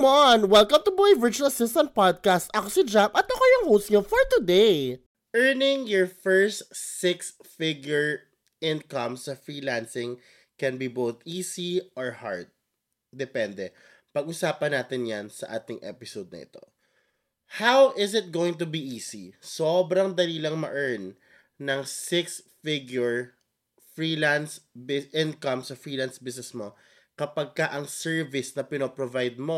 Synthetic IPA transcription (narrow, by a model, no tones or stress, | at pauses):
monwɛlkɐmt̪ʊboɪvɪɹt͡ʃʊɐlɐsɪst̪ɐ̃nt̪̚pad̪̚kast̪ʔɐkosɪd͡ʒapɐt̪ɐkojʊŋhowst̪̚ɲofɔɹt̪ʊd̪ej | ʔɛɹnɪ̃ŋjɔɹfɛɹst̪sɪksfɪɡjʊɹ | ʔɪ̃nkɐ̃msɐfɹiːlansɪ̃ŋ | kɛnbibowθʔiːsiʔɔɹha̰ɹd̪̚ | d̪ɛpɛnd̪ɛ | pɐɡ̚ʔʊsaːpɐnaːt̪ɪnjansɐʔaːt̪ɪŋʔɛ̰pɪsowd̪̚nɐ̰ʔɪ̰t̪o̞̰ | hawʔɪsɪt̪̚ɡoːwɪ̃ŋt̪̬ʊbiʔiːsisobɾɐŋd̪ɐɾiːlɐŋmɐ̰ʔɛɹn | nɐŋsɪksfɪɡjʊɹ | fɹiːlansbɪʔɪ̃nkɐmsɐfɹiːlansbɪs̬nɛsmo̞ | kɐpɐɡ̚kɐʔɐŋsɛɹvɪsnɐpɪnoːpɾovajd̪̚mo̞